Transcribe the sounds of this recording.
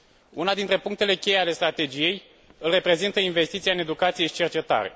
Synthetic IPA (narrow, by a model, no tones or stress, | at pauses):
unad̪int̪ɾe̞puŋkt̪e̞le̞kʲe̞jeale̞st̪ɾat̪e̞d͡ʒije̞j | ɨlre̞pɾe̞zint̪əinve̞st̪it̪sijaɨne̞d̪ukat̪sije̞ʃi̥t͡ʃe̞rt͡ʃe̞t̪a̰ɾḛ